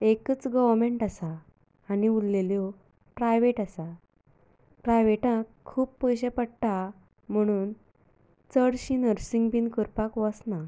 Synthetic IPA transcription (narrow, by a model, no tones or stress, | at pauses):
ekət͡sɡəʋəɾmeɳʈasaː | niulleljo | pɾajʋeʈasa | pɾajʋeʈãkʰːuːpːəjɕepəɽʈa | m̤əɽ̃uːn | t͡səɽɕinəɾsiŋɡpinkəɾpakʋəsna